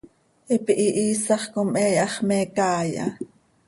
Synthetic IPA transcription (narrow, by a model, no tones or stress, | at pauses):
ʔipiʔiʔiːsɑχkomʔɛːjɑχmɛːkɑːjɑ̰